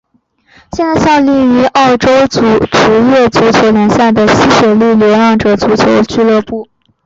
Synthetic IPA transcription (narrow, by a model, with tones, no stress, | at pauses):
ɕjɛ˥˧nt͡sɪɕjɑ˥˧ʊli˥˩y˧˥ʔɑ˥˩ʊʈ͡ʂo˥ʊt͡su˨˩ʈ͡ʂɻ̩˧˥jɛ˥˩t͡su˧˥t͡ɕʰjo˧˥ʊljɛ˧˥ŋɕja˥˩ɪd̪ə˩ɕi˥ɕɥɛ˨˩li˥˩ljɛ˧˥lɑ˥˩ŋʈ͡ʂɤ˨˩t͡su˧˥t͡ɕʰjo˧˥ʊt͡ɕy˥˧lɤ˥˧pu˥˩